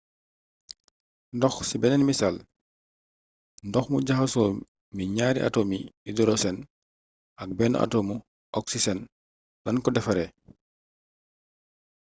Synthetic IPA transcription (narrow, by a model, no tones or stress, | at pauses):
ndɔxsibɛnɛnmisal | ndɔxmuɟaxasɔː | miɲaːɾiʔa̰tomiidɔɾɔsɛn | ak̚bɛn̰ʔa̰toːmu | ʔɔksisɛn | dɐnkɔdɛfaɾɛ